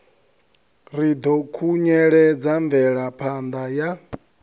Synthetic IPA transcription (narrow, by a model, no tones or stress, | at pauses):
ɾid̪ɔkʰuɲɛɺɛd͡zaɱb̪vɛɺapʰand̪aja